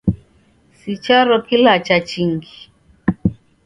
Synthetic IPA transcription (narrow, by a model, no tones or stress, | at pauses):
sit͡ʃaɾɔkilat͡ʃat͡ʃiŋɡi̥